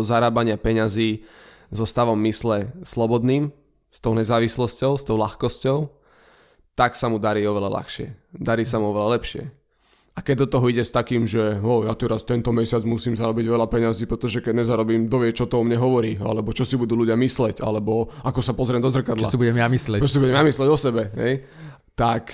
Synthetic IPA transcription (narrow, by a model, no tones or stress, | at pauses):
zaɾaːbaɲɪapɛɲaziː | zɔst̪aʋɔmːislɛslɔbɔd̪niːm | st̪ɔʊɲɛzaːʋislɔscɔʊst̪ɔʊlaxkɔscɔʊ | t̪aksamud̪aɾiːɔʋɛla̰la̰xʃɪɛ̰d̪aɾiːsamuɔʋɛlalɛpʃɪɛ̰ | akɛɟ̚d̪ɔt̪ɔɦɔiɟɛst̪akiːmʒɛɦɔjat̪ɛɾast̪ɛnt̪ɔmɛsɪad͡zmusiːmzaɾɔbiɟʋɛlapɛɲaziːpɾɛt̪ɔʒɛkɛɟɲɛzaɾɔbiːmd̪ɔʋɪɛt͡ʃɔt̪ɔɔmɲɛɦɔʋɔɾiːa̰lɛbɔt͡ʃɔsibud̪uːluɟɪamislɛɟa̰lɛbɔakɔsapɔzɾɪɛmd̪ɔzr̩kad̪t͡ʃla̰sibuɟɛmjamislɛt͡ʃɔs̬ibuɟɛmjamislɛɟɔsɛbɛɦɛ̰j | t̪ak